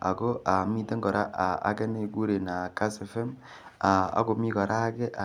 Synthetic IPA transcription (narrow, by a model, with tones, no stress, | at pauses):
a̰˨ɡo˦a˨mi˦te˦ŋɡɔ˨ɾa˦ʔa˨a̰˦ɡɛ˦ne˦˨ɡu˦ɾe˨na˨ka˦sɛ˨fɛ˦m | a˨a̰˦ɡo˨mi˦kɔ˨ɾʔa˦ɡɛ˦ʔa˨